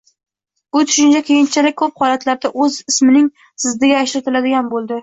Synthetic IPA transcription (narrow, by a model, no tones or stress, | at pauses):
bʊt̪ʰʊ̥ʃɪnt͡ʃʰakʲʰejɪnt͡ʃʰalɪk̚ʲkʰːɵp̚hɒlat̪laɾd̪aʔɵzɪsmɪnɪŋ | sɪzd̪ɪɡʲaːʃɾɪt̪ʰɪlad̪ɪɡʲanbolˠd̪ɪ